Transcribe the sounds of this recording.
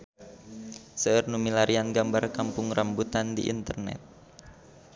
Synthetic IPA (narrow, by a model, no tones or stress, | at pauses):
səərnumilaɾianɡambarkampʊŋrambut̪andḭʔḭnt̪ərnɛ̰t̪̚